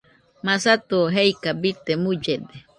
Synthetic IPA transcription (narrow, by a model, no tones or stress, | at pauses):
masat̪uɦejkabit̪emud͡ʒed̪e